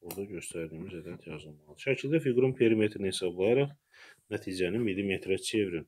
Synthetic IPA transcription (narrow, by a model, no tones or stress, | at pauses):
oɾd̪ɑɟø̞st̪ʰæɾd̪imizæd̪æt̪ʰjɑzɯlˠmɑlˠd̪ɯʃæcʰilʲd̪æfiɡɾumpʰeɾimet̪ʰinihesɑblˠɑjɑɾɑχ | næt̪ʰid͡ʒænimilːimet̪ʰɾet͡ʃʰe̞vɾin